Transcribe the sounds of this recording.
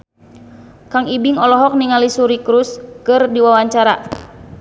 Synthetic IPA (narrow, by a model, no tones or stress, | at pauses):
kaŋibiŋɔlɔɦɔk̚niŋalisuɾikɾuskɨrdiwawaɲt͡ʃaɾa